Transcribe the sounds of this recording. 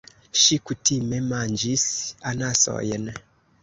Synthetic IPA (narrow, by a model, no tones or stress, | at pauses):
ʃikutimɛmand͡ʒisanasɔ̰jɛnɛ